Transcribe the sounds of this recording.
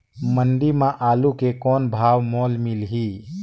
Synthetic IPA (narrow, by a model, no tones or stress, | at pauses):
mənɖimãʔaːlukekɔːnbʱaːwmɔːlmilɦiː